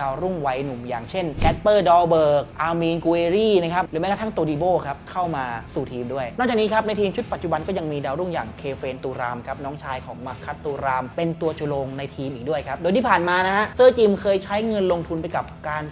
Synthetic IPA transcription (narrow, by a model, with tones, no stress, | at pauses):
aː˧wɾu˥˩ŋwa˦˥jnu˨˩mjaː˨˩ŋt͡ɕʰe˥˩nkʰɛ˦˥t̪̚pɤː˥˩dɔː˧wbɤː˨˩k̚ʔaː˧miː˧nku˧eː˧ɾiː˥˩na˦˥kʰa˦˥p̚ɾɯː˨˩˦ma˦˥jkʰːt̪ʰa˥˩t̪oː˧diː˧boː˥˩kʰa˦˥p̚kʰa˥˩wmaː˧suː˨˩t̪ʰiː˧mdu˥˩əjnɔ˥˩kaː˨˩niː˦˥kʰa˦˥p̚na˧jt̪ʰiː˧mt͡ɕʰu˦˥t̪̚pa˨˩t̪t͡ɕu˨˩ba˧nkɔ˥˩ja˧ŋmiː˧daː˧wɾu˥˩ŋja̰ː˨˩ŋkʰeː˧feː˧nt̪uː˧ɾaː˧mkʰa˦˥p̚nɔː˦˥ŋt͡ɕʰaː˧jkʰɔː˩˦ŋma˦˥kʰːa˦˥t̪ːuː˧ɾaː˧mpe˧nt̪u˧ɐt͡ɕʰu˧loː˧ŋna˧jt̪ʰiː˧mʔiː˨˩k̚du˥˩əjkʰa˦˥p̚doː˧jt̪ʰiː˥˩pʰaː˨˩nmaː˧na˦˥hʰa˦˥ʔsɤː˥˩t͡ɕi˧mkʰɤː˧jt͡ɕʰa˦˥jŋɤ˧nlo˧ŋt̪ʰu˧np̬a˧jka˨˩p̚kaː˧n